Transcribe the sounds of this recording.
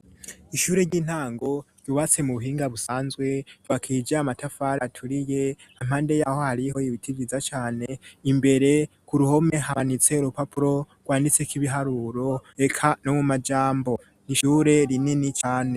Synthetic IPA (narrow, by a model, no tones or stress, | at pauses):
iʃuːɾe̞ɾɟiːn̥haːŋɡo̞ | j̥uβat͡se̞muβuɦiːŋɡaβusaːnzɡwe̞βakʰid͡ʒaamatafaɾatʰuɾije̞ | am̥haːnde̞jaho̞haɾiho̞jiβitʰiɡiizat͡ʃaːne̞imbe̞ɾe̞ | kuɾuho̞me̞ɦanit͡se̞uɾupapuɾo̞ | ɡ̥waːndit͡sekiβiɦaɾuɾo̞e̞kʰano̞mumad͡ʒaːmbo̞ | niʃuːɾe̞ɾininit͡ʃaːne̞